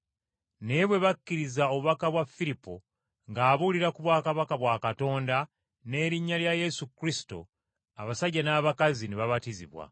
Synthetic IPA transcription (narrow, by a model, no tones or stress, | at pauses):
ne̞βwe̞βakːiɾizao̞βuβakaβwafːilipːo | ŋɡaːβuliɾakuβwaːkaβakaβwaːkato̞ːnda | ne̞ːɾiɲːaljaje̞sukɾisi̥to̞̰ | aβasaɟːanaːβakazineβaβatizḭβwa̰